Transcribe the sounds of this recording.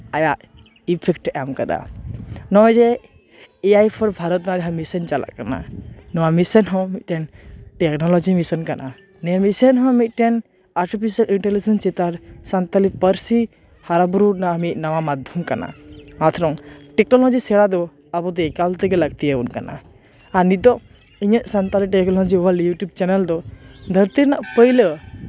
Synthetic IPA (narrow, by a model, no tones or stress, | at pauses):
ajaʔ | ipʰekʈamkɐd̪a̰nɔd͡ʒe | iajpʰɔɾbʱaɾɔt̪naɾɦamisɐnt͡ʃala̰ʔkana̰nɔwamisɐnɦɔ̃miʔʈɛnʈeknɔlɔd͡ʒimisənkanʔa̰ | nemisənɦɔ̃miʔ̪ʈɛn | aɾʈipʰisɐliɳʈelid͡ʒɐnst͡ʃit̪aɾsant̪alipəɾsi | haɾabɾunaːmiʔ̪nawamad̪ʱjɔmkana̰mat̪ʰɾɔŋʈɛknɔlɔd͡ʒisɛɽad̪ɔ | abɔd̪ɛɛkalt̪ɛɡɛləɡ̚t̪ijeunka̰na̰ | aɾnid̪ɔ | iɲəʔsant̪aliʈɛknɔlɔd͡ʒiɔwaljuʈub̚t͡ʃɛnɛld̪ɔd̪ʱəɾt̪iɾnaʔpəjlə